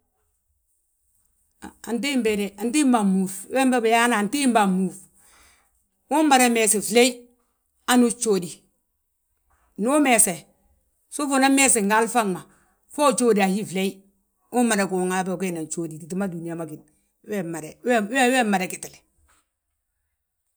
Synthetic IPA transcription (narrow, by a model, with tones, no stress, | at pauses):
a˨a˨nt̬i˦mbe˨ɾe˨a˨nt̬i˦mba˨mu˨fwe˦mba˦ba˨ja˦na˨nti˦mba˨mu˨f | wu˦mma˨ɾe˦me˨se˨fle˦i˦ | a˦nu˦t͡ʃo˦di˨ | nu˦me˨se˨ | su˦fo˨na˦me˦se˨ŋɡa˦lfa˦ŋma˨ | fo˦t͡ʃo˦di˨a˨hi˦fle˦i˦ | u˦mːa˨ɾe˨ku˨ŋa˨be˨ke˦na˨nt͡ʃo˦di˨ti˨t̬i˨˦ma˦du˨ni˨ja˨ma˨ki˨t̚ | we˦ma˨ɾe˨wwe˦we˦mːa˨ɾe˨ki˨ti˨le̥˨